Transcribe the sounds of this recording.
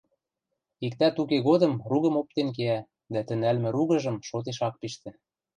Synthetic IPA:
ikt̪æt̪ukeɣod̪ɤ̆mruɣə̆mop̚t̪enk̬eæ | d̪æt̪ɘ̆nælmɘ̆ɾuɣə̆ʒə̆mʃot̪̬eʃɑk̚piʃt̪ɘ̆

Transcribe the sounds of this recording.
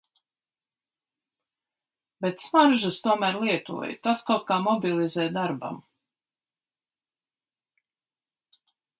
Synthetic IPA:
bet̪smaɾʒɨst̪uɔmæːɾlˠiɛt̪ṵɔ̰j̰t̪askawt̪̚kaːmɔbilˠizɛːd̪aɾba̰m

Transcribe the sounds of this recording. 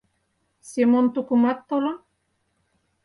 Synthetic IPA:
semont̪ukumat̪ːola

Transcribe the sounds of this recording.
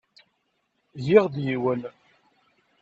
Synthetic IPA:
jiʁd̪jiwən

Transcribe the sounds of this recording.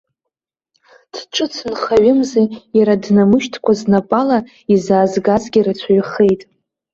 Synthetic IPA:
tʰʈ͡ʂʼɨt͡sʰɨnχaɥʊmzejaɾadnamɨʃtʰkʷʰaznapʼala | izaːzɡazɡʲiɾat͡sʷʰaɥχejtʼ

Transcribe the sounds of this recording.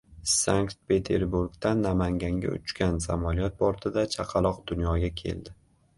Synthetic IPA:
saŋkt̪̚pʰe̞t̪ʰeɾbuɾɡt̪anːamaŋɡʲaŋɡʲa̰ʊ̰t͡ʃkʲansa̰maljɒt̪̚bɒɾt̪ʰɪd̪at͡ʃʰaqʰɑlˠɒqd̪ʊnjɒɡʲakʲʰe̞̰ld̪ɪ

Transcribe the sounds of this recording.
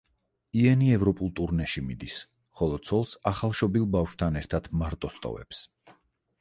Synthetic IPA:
iɛniɛvɾɔpʼulˠt̪ʼuɾnɛʃimid̪is | χɔlˠɔsʰɔlˠsaχalˠʃɔbilˠbafʃt̪ʰanɛɾt̪ʰad̪ʰmaɾt̪ʼɔst̪ʼɔ̰vɛ̰ps

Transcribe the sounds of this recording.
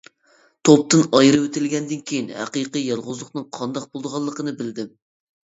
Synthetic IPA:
t̪ʰop̚t̪ɨnɑjɾɨwet̪ʰɪlɡʲɛnd̪ɪnkʲʰejinhæ̰qijqijɑlˠʁʊzlˠʊqnɨŋqʰɑnd̪ɑq̚bolˠd̪əʁɑlˠːəqənɨbɪld̪ɪm

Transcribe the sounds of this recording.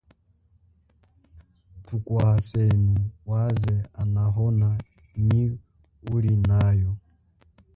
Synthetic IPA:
tukwaasɛmiwazɛanaɦɔna | ni | uɾinajɔ

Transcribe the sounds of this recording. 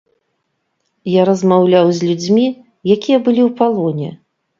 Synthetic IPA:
jaɾɐzmawlʲawzʲlʲud͡zʲmʲi | jakʲijɛbɨlʲiwpalˠɔnʲɛ̰

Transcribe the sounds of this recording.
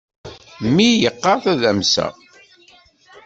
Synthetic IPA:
mːijəqːɑɾθæðæmsæ̰

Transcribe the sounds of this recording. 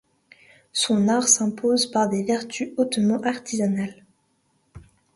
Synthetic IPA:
sɔ̃naʁsɛ̃pozpaʁd̪evɛʁt̪ʰyot̪mɑ̃ʔaʁt̪ʰizanal

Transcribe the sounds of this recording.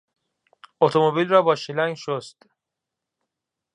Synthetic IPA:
ot̪ʰomobilrɒːbɒːʃilæŋɡʃost̪

